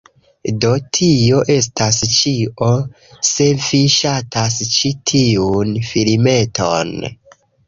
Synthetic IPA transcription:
do̞tʰio̞ʔe̞s̬tast͡ʃio̞ | se̞viʃatʰast͡ʃitʰiunfilme̞tʰo̰n

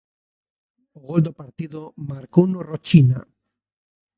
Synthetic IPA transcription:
oɣold̪opaɾt̪iðomaɾkownorot͡ʃina̰

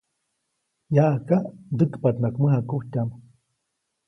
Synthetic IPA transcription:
jaʔkad̪ɨkpat̪nakməɦakuhtʲam

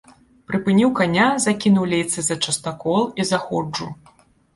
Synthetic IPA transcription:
pɾɨpɨnʲiwkanʲazakʲinuwlʲejt̪sɨzɐt͡ʂɐst̪akɔlˠizaxɔd͡ʐu

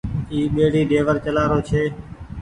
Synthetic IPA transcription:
iːɓeːɽiːɗeːʋəɾt͡ʃəlaːɾoːt͡ʃʰeː

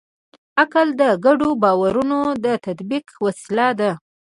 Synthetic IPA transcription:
akald̪əɡaɖobɑwaɾunod̪ət̪ad̪biqwasɪlad̪a

